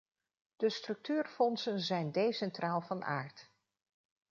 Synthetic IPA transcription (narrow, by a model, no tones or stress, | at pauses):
d̥əstrɵk̚tyːrfɔnsənzɛjndejsɛntrʔaːlˠvɑnʔa̰ːɹt